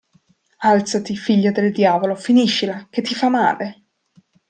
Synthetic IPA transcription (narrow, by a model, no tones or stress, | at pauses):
alt̪sat̪ifiʎːad̪eld̪jaːvolofiniʃːilak̟et̪ːifamːa̰ːle